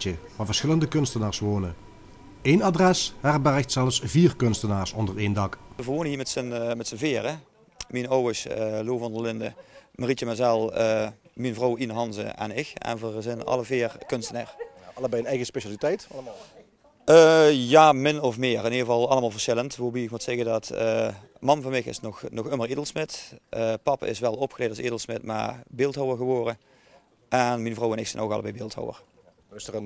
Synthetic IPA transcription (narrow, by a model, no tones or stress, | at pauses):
t͡ʃəʋaːvəɹsxɪləndəkɵnstənaːɹsʋoːnə | eːnadrɛshɛrbɛrəxtsɛlˠəfsviːrkɵnstənaːɹsɔndəreːndɑkəvəɹʋownəɦiːmɛtsənmɛtsənvɪːrə | minowɪsəloːvɑndəlɪndəmaritəmɛzɛlˠəminvrowinəɦɑnzə̰ɛ̰nɪkɛ̰nvərzɪnɑ̰ləvɪːrkɵnstəna̰ːr | ɑləbɛjənɛjɣəspeʃalitɛjtlm | əjaːmɪnɔfmɪːrɪniəvɑlˠɑlˠəmaːlˠvəɹsxɪləntʋobiɪkmutsɛɣədɑtə | mɑnvɑnmɪxɪ̰snɔxnɔxəməridəlˠsmɪtʔəpɑpɪ̰sʋɛlˠɔpxəleːtɑsidəlˠsmɪtma̰bɪlˠtɦowərɣəʋɔːrə | ʔɛnminvrowɛnɪksɛjnowkɑləbɛjbɪːlˠtho̰wə̰r | ɪsəən